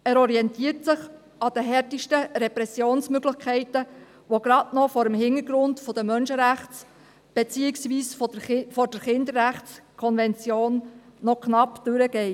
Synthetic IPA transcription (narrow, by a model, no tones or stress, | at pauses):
æːɾɔɾiɛntiːtsɪχ | ɑd̥̪əɦɛɾtiʃtəɾɛpɾɛsjoːnsmøɡlɪχkʰɛɪtə | ʋoɡ̥ɾɑdnɔfɔɾəmhɪnəɾɡɾʊndfɔd̥əmœnʃəɾæχt͡s | b̥et͡siːɪksʋiːsffɔɾd̥əɾχɪnd̪əɾːæχtskʰɔnvɛnt͡sjoːnːɔkʰnɑpd̥ʉɾəɡ̥ɛɪ